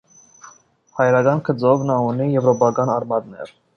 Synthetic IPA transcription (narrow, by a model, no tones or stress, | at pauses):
hɑjɾɑɡɑnkʰət͡sɔvnɑunijɛvɾɔpɑkɑnɑrmɑd̪nɛ̰ɾ